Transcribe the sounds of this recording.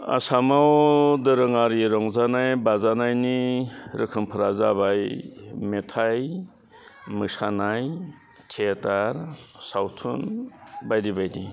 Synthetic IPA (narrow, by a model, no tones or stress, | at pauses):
a̰samawdɯɾɯŋaɾiɾɔŋzanajbazanajniɾɯkʰɯmpʰɯɾazabajmetʰaj | mɯsanaj | tʰetaɾsawtʰunbajdibajdi